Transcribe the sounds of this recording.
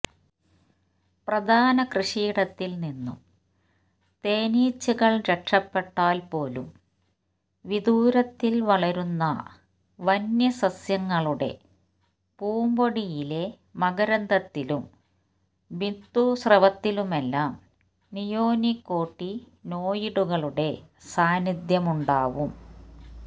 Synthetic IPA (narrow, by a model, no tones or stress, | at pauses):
prɐd̪ʱaːnɐkrɨʂiːɽɐt̪ːilninːṵm | t̪eːniːt͡ɕːuɣɐɭɾɐkʂɐpːe̞ʈːaːlpo̞ːlṵm | ʋid̪uːɾɐt̪ːilʋɐɭɐɾunːɐ̰ | ʋɐnjɐsɐsjɐŋːɐɭuɽe̞̰ | puːmboɽijile̞ | mɐɣɐɾɐnd̪ɐt̪ːilum | bind̪usrɐʋɐt̪ːilume̞lːaːm | nijoːnikːo̞ːʈːi | no̞ːjiɽuɣɐɭuɽe̞saːnid̪jɐmuɳɖaːʋum